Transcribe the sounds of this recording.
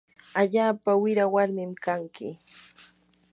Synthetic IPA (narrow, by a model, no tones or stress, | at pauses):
aʎaːpawɪɾawaɾmɪmkaŋkɪ̰